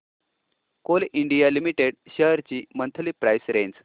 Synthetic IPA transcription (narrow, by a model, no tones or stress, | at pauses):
koliɳɖijalimiʈeɽɕəɦɾt͡ɕiːmənt̪ʰəliːpɾajsɾẽɲd͡z